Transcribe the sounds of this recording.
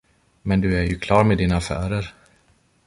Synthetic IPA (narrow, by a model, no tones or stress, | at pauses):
mɛnd̪ɵæɾjɵkʰlɑːɾmeːd̪inaafæ̰ːɾəɾ